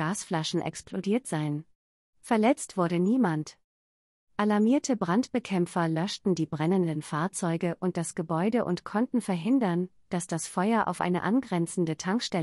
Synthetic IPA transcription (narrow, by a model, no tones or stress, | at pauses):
aːsflaʃn̩ʔɛ̰ksplodiːɐtz̥aɪən | fɛɐlɛt͡stv̥ʊɐɾəniːmant | ʔalaɐmiːɐtʰəbʁantb̥əkʰɛmfɐlœʃtn̩diːbʁɛnəndənfaːɐt͡sɔʏɡəʔʊnt̚d̥asɡ̥əbɔʏdəʔʊ̰ntkʰɔntn̩fɛɐɦɪndɐn | d̥asd̥asfɔʏɐʔa̰ʊfʔa̰ɪnə̰ʔa̰nɡʁɛnt͡sn̩dətʰaŋkʃtɛ